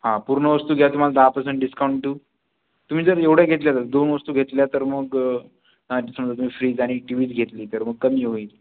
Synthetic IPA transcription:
ɦãpuɾɳəʋəst̪uːɡʱjat̪um̤alad̪apəs̬əɳʈɖiskauɳʈʈːuː | t̪um̤iːd͡zəɾeʋɽ̤jaɡʱet̪ljat̪əɾd̪onʋəst̪uːɡʱet̪ljat̪əɾməɡ | aisəməd͡zət̪um̤iːfɾiːd͡zaɽ̃iʈiʋiːt͡sɡʱet̪liːt̪əɾməɡ̚kəmiːɦoiːt̪

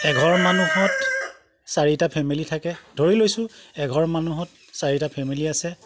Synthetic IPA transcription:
ɛɡʱɔɹmanuhɔt | saɹitapʰɛmilitʰakɛdʱoɹilojsʊ̃ɛɡʱɔɹmanuɦɔt | saɹitapʰɛmiliasɛ

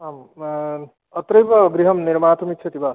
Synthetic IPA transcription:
am | ʌt̪ɾejbʌɡɾiɦʌmniɾmat̪ʰumit̪t͡ʃʰʌt̪iba

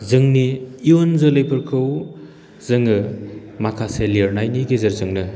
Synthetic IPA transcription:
zɯŋniːonzɯlɯjpʰɯɾkʰɯw | zɐŋɯmakʰaseliɾnajniɡezɐɾzɯŋnɯ

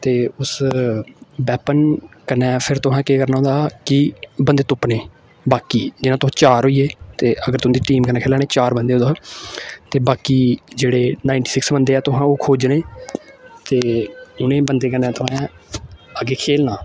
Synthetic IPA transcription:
t̪eːʊs | bɛːpənkənɛ̃ːpʰɪɾt̪ʊɦãːkeːkəɾnaːɦõːd̪aːkɪbənd̪eːt̪ʊpneː | baːkiːd͡ʒɪnãːt̪ʊɦãːt͡ʃaːɾɦoːiːeːt̪eːʔəɡəɾt̪ʊãːd̪iːʈiːmkənɛːkʰeːlaːneːt͡ʃaːɾbənd̪eːd̪aːt̪eːbaːkiːd͡ʒeːɽeːnaːɪ̃ɳʈiːsɪksbənd̪eːɛːt̪ʊɦãːoːkʰoːd͡ʒneː | t̪eːʊnẽːbənd̪eːk̬ənːɛ̃ːt̪ʊɦã | əɡeːkʰeːlnaː

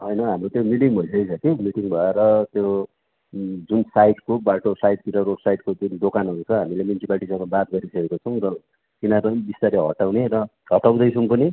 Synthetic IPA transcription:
ɦʌjnʌɦamrot̪jomiʈiŋbʱʌjsʌjt͡sʰʌkimiʈiŋbʱʌeɾʌt̪jo | d͡zunsajʈkobaʈosajʈ̚t̪iʈʌɾosajʈkod͡zunɖokanɦʌɾut͡sʰʌɦamilemunsipalʈisʌŋʌbat̪̚ɡʌɾisʌkekot͡sʰʌw̃rʌ | kinapʌnibist̪aɾeɦʌ̰ʈaw̃neɾʌ | ɦʌʈaw̃d̪ʌjt͡sʰʌŋpʌni

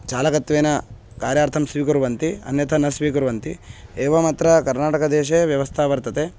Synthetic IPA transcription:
t͡ʃaːlɐkɐt̪ːʋeːnɐ | kaːɾjaːɾt̪ʰɐmsʋiːkuɾʋɐnt̪iɐ̰njɐt̪ʰɐnɐsʋiːkuɾʋɐnt̪ḭeːʋɐmaːt̪ɾɐkɐɾnaːʈɐkɐd̪eːʃeʋjɐʋɐst̪ʰaːʋɐɾt̪ɐt̪e

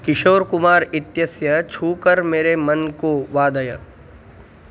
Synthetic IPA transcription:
kɪʃoːɾkʊmaːɾɪt̪jəsjət͡ʃʰuːkəɾmeːɾemɐnkoʋaːd̪əjə̰

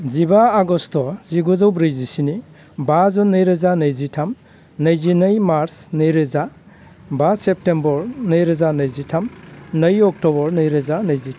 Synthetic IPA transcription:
zibaːɡɔstɔziɡuzɔwbɾijzisini | bazɔnːɯjɾɯzanɯjzitʰam | nɯjzinɯjmaɾsnɯjɾɯza | basep̚tembɔɾnɯjɾɯzanɯjzitʰamnɯjɔk̚tɔbɔɾnɯjɾɯzanɯjzitʰ

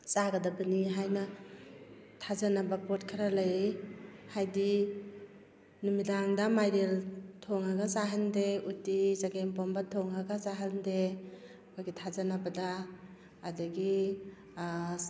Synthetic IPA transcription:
t͡ʃaɡadabɯniɦajna | tʰazanabapɔt̚kʰaɾalaj | hajdi | numidaŋdamajɾeltʰɔŋaɡasaɦandeutizaɡempɔmbatʰɔŋaɡasaɦande | kʰɔɡitʰazanabadaː | daɡi

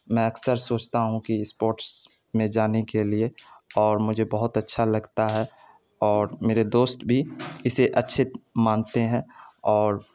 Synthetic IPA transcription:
mɛ̃ɐksəɾsoːt͡ʃt̪aɦũkispoːɾʈs | mẽd͡ʒaːnekelieɔːɾmʊd͡ʒʱebɐɦʊt̪ɐtːʃʰalɐɡt̪aɦɛ | ɔːɾmeːɾed̪oːst̪bʱiɪseʔɐtːʃʰɪt̪maːnt̪eɦɛ̃ɔːɾ

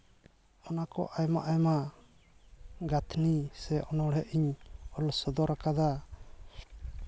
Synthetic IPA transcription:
ɔnakɔ̰ʔajma̰ʔajma | ɡat̪ʰnisɛʔɔnɔɽɛʔiɲɔlɔsɔd̪ɔɾakad̪a

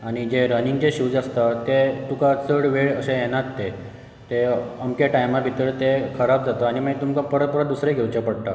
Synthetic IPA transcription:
aɽ̃id͡ʑeɾəniŋɡt͡ɕeɕuːd͡zast̪at̪et̪ukat͡səɽʋeɭəsẽjɛnat̪ːe | t̪eəmkeʈajmabʱit̪əɭt̪ekʰəɾabd͡zat̪əaɽ̃iməit̪umkapəɾət̪̚pəɾət̪d̪usɾeɡʱewt͡ɕapəɽʈ̪a

